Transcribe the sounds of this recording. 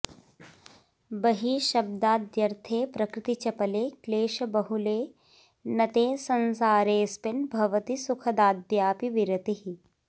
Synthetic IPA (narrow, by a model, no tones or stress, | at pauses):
bɐɦiʃɐb̚d̪aːd̪jɐɾt̪ʰeːpɾɐkɾɪt̪it͡ʃɐpɐleːkleːʃɐbɐɦuleː | nɐt̪eːsɐnsaːɾeːspɪnbʱɐʋɐt̪isukʰɐd̪aːd̪jaːpiʋiɾɐt̪iɦi